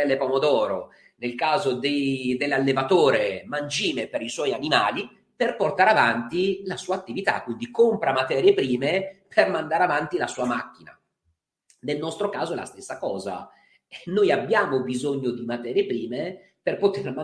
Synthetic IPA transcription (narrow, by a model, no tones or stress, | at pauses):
ɛlːepomod̪ɔːɾo | nelkaːzod̪ed̪elːalːevat̪oːɾemand͡ʒiːmepeɾiswɔjanimaːli | perport̪aːɾeavant̪ilasuːaːt̪ːivit̪a̰kːwind̪ikompɾamat̪ɛːɾjepɾiːmepʰermand̪aɾavant̪ilasuːamak̟ːina̰ | nelnɔst̪ɾokaːzoɛla̰st̪esːakɔːza̰ | nojabːjaːmobizoɲːod̪imat̪ɛːɾjepɾiːme | perpot̪erma